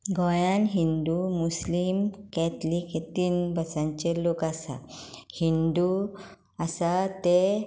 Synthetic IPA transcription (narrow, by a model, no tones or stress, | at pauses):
ɡʱɔ̃jãnɦind̪umuslimkɛt̪likʰet̪iːnbʱəsãɲt͡ɕelokasa̰hind̪u | asat̪e